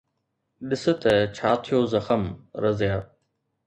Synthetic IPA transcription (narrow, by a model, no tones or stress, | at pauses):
ɗɪsɪt̪ɛt͡ɕʰaːt̪ʰɪjoːzəxəmɾəzjaː